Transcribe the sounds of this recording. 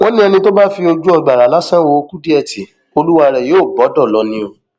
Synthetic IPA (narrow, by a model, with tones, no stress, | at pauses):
wɔ̃˦nĩ˦ɛ˧nĩ˧to˦ba˦fi˧o˧d͡ʒu˦ɔ˧ɡ͡ba˨a˨˦la˦sã˦wo˧ku˦di˦ɛ˦˨ti˨ | o˧lu˦wa˧ɾɛ˨joː˨˦˨bɔ˨˦dɔ˦˨lɔ˧˦nĩ˧˦o˧˨